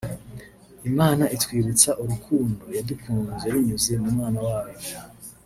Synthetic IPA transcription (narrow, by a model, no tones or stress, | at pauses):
imaːnaʔitwiːβut͡saʔuɾukʰuːndojadikuːŋunzeaɾiɲuze̞mumŋaːnawaːβo